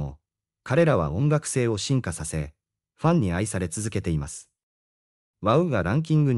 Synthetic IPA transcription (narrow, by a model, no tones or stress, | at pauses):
o̞̰ | kaɾe̞ɾaβ̞a̰õ̞ŋɡakɯ̟̥se̞ːo̞ɕĩŋkasase̞ | ɸãɲ̟ːiaisaɾe̞t͡sɨzɨke̞t̪e̞imasɨ̥ | βaɯ̟ɡaɾãŋk̬ʲĩŋɡɯ̟ɲ